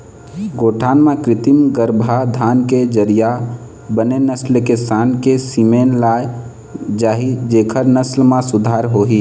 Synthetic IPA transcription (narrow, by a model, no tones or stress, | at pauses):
ɡoːʈʰaːnmẽkɾɪt̪imɡəɾbʱad̪ʱaːnked͡ʒəɾija | bənenəslkesaːnkesimeːnlaːj | d͡ʒaːɦid͡ʒeːkʰəɾnəslmãsʊd̪ʱaːɾɦoːɦiː